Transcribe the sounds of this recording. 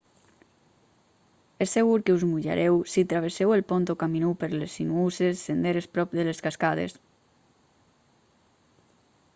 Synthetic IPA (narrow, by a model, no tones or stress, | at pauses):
esːeɣuɾkeuzmuʎa̰ɾʔɛwsit̪ɾaβ̞esewelpont̪okaminupeɾlesinuusesːend̪eɾespɾɔp̚d̪eleskaskað̞ḛs